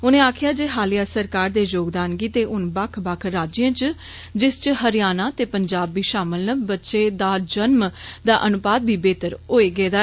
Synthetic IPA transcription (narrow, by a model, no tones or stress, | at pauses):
ʊnẽːaːkʰɪjaːd͡ʒeːɦaːlijaːsəɾkaːɾd̪eːjoːɡd̪aːnɡiːt̪eːʔʊnbəkʰbakʰɾaːd͡ʒɪjãːt͡ʃ | d͡ʒɪst͡ʃɦəɾɪjaːnaːt̪eːpəɲd͡ʒaːbːiːʃaːməlnəbbətːʃeːd̪aːd͡ʒənmd̪aːʔənʊpaːd̪̚bʱiːbeːt̪əɾoːeːɡeːd̪aː